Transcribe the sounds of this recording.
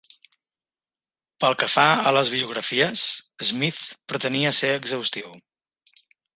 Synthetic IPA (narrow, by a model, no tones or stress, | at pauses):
pəlˠkəfaələzβ̞iuɣ̞ɾəfiəsəzmiθpɾət̪əniəseəɡzəwst̪iw